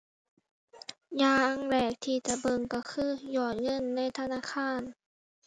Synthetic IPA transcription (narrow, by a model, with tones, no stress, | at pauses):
jaː˧˩ʔa˧˥˨ŋlɛː˨˩k̚t̪ʰiː˧˩t͡ɕa˧˩ʔbɤ˧˨ŋkɔ˧˩kʰɯː˧˥˨jɔː˧˩t̪̚ŋɤ˧˥˨nːa˧˥˨jt̪ʰa˧naː˧˥˨kʰaː˧˥˨n